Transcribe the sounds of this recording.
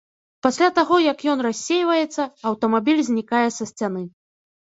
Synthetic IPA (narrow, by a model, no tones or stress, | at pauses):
pasʲlʲat̪aɣɔjɐkjɔnrasʲːejvɐjɛt̪sːɐɐwt̪ɐmabʲilʲzʲnʲikajɛsɐsʲt͡sʲan̪ɨ